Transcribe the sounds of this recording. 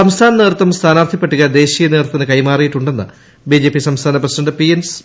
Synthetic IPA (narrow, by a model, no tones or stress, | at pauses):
sɐmst̪ʰaːnɐneːrt̪ːɐmst̪ʰaːnaːrt̪ʰipːeʈːuɣɐd̪e̞ːɕijɐneːrt̪ːɐnɨkɐjmaːrijiʈːuɳɖe̞nːɨ̰ | bid͡ʑe̞ːpːisɐmst̪ʰaːnɐprɐsidɐɳɖɨpijens